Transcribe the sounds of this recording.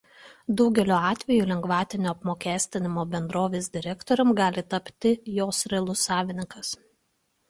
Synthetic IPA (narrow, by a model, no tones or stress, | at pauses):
d̪ɒʊɡʲɛlʲoːɑːt̪ʲʋʲɛjuːlʲɛŋɡʋɑːt̪ʲɪnʲoːɐpmoːkʲæːsʲt̪ʲɪnʲɪmoːbʲɛnd̪ɾoːʋʲeːs̬d̪ʲɪɾʲɛkt̪oːɾʲɛmɡɑːlʲɪt̪ɐpʲt̪ʲɪjoːsɾʲɛlˠʊsːɑːʋʲɪnʲɪŋkɐs